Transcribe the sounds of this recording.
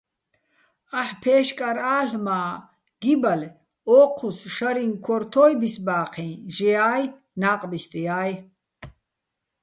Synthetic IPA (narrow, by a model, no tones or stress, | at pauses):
aħpʰɛːʃkʼaɾaːɬmaː | ɡ̥ibal | ɔːqʰusʃaɾinkʰɔɾt̪ʰɔːjbisbaːqʰĩnʒijaːj | naːqʼbist̪ʼijaːj